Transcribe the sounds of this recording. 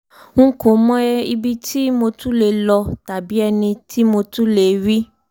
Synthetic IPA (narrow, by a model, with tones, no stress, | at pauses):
ŋ̩̃˦ko˨˦mɔ̃˦ɛ˦i˧bi˧ti˦mo˧tũ˦le˨lɔ˧ta˨bi˨˦ɛ˧nĩ˧tʰi˦mo˧tũ˦le˨ɾi˦